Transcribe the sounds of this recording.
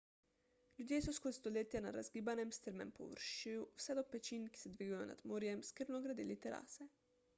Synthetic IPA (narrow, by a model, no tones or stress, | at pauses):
lʲjud̪jeːsɔskot̪st̪ɔleːt̪jana̰ɾa̰zɡiːbanɛmst̪əɾmɛ̰mpɔ̰ʋə̰ɾʃiwwsɛd̪ɔpɛt͡ʃinki̥sɛd̪ʋiːɡajɔ̰na̰d̪moːɾjɛmskəɾnɔɡɾad̪ḭːlit̪ɛɾa̰ːsɛ